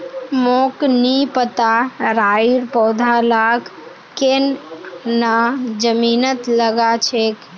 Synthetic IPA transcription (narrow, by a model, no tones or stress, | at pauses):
moknipət̪aɾaiɾpɔːd̪ʱalak | kennad͡ʒəmiːnət̪ləɡat͡ʃʰek